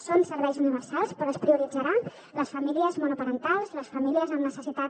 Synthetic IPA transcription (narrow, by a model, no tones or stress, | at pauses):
sonsəɾβɛjzuniβəɾsalˠspɾɔəspɾiuɾid͡zəɾan | ləsfəmiliəzmonupəɾənt̪alˠzləsfəmiliəzəmnəsəsit̪at